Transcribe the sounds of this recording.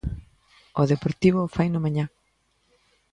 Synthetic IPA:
oðepoɾt̪iβofajnʊmãɲã

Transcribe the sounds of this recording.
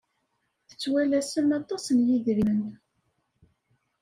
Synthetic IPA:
θə̥t͡sːwælæsəmɑt̪ˤːɑsənjiðɾiən

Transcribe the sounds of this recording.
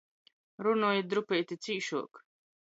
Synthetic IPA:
ɾunuːjid̪ɾupɛjt̪ʲit̪siːʃuɔk

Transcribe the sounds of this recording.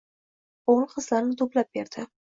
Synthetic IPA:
olˠqɨzlaɾnɪt̪ʰoplap̚beɾd̪̥ɪ

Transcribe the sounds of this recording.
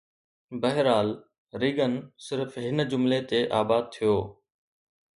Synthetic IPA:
bəɦɪɾaːl | ɾɪɡənsɪɾfɦɪnd͡ʑʊmlet̪eʔaːbaːd̪̚t̪ʰijoː

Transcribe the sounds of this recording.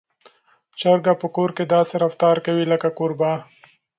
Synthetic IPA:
t͡ʃaɾɡapəkoɾked̪ɑseɾaft̪ɑɾkawiləkakoɾbɑ

